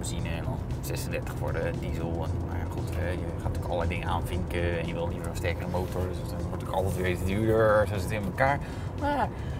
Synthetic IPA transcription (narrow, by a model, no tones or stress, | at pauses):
əzinəɛnɔn | sɛsəndɛɹtəχfɔ̰ɹdədizəlˠɛnna̰jaχutɛjəχaːtɔkɔləlɛjdɪŋəaːnfɪŋkəɛnjəʋɪlˠlivəɹənstɛɹkərəmowtɔɹdsdɔnʋɔɹto̥kɔlˠtɛtʋetənyːdəɹɛsosətɪnməkaːɹ | maːr